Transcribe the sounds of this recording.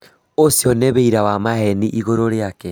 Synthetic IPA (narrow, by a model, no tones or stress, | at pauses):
osjɔneβeiɾawamaɦɛniʔiɣoɾoɾeakɛ